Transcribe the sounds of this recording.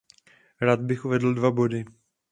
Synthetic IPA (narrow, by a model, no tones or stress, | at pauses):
ɾaːd̪̚bɪxʔuvɛdl̩dvabo̞dɪ